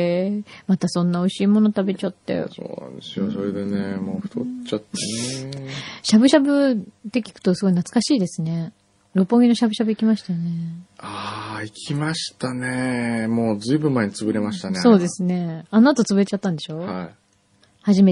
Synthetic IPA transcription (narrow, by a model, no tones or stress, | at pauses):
mat̪asõ̞nːao̞iɕiːmo̞not̪abe̞t͡ɕat̪ːe̞̰so̰ːnã̰nd̪e̞sɨjoso̞ɾe̞d̪e̞nemoːɸɯ̥t̪o̰t͡ɕat̪ːene | ɕabɯ̟ɕabɯ̟d̪ekʲi̥kɯ̟̥t̪o̞sɨɡo̞inat͡sɨ̥kaɕiːd̪e̞sɨne̞ | ɾo̞pːo̞ɡʲinoɕabɯ̟ɕabɯ̟ikʲimaɕi̥t̪ane̞aikʲʰimaɕi̥t̪anemo̞ːd͡zɨibɯ̃mːaeɲ̟it͡sɨbɯ̟ɾe̞maɕi̥t̪aneso̞ːd̪e̞sɨne̞anoat̪o̞t͡sɨbɯɾe̞t͡ɕat̪ːãnd̪e̞ɕo̞ːhai | haʑime̞